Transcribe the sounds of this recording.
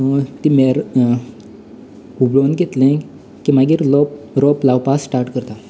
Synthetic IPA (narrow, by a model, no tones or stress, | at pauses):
t̪imeɾ | ubɭonɡet̪lẽ | kimaɡiːɾlɔ | ɾɔplawpasːʈaɾʈkəɾt̪a